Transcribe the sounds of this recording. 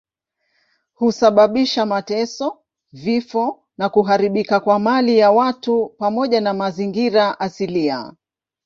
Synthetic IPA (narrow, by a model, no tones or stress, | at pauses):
husaɓaɓiʃamatɛsɔ | vifɔ | nakuɦaɾiɓikakwamalijawatupamɔʄanamaziŋɡiɾaʔasilia̰